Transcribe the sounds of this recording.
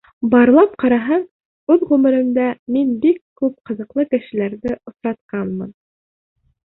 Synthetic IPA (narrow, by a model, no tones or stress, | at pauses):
bɑɾlˠɑp̚qɑɾɑɦɤɴ | ʉðʁʉmɘ̆ɾɘ̆md̪æminbikːʉp̚qɤ̆ðɤ̆qlˠɤkɘ̆ʃɘ̆læɾðɘʔŏsɾɑt̪̚qɑnmɤ̰n